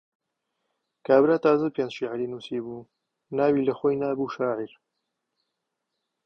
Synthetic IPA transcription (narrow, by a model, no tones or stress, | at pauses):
kʰaːbɾaːt̪aːzɨlpeːnzʃiʕɾiːnuːsiːbuː | naːwiːlɐxojnaːbuːʃaːʕiɾ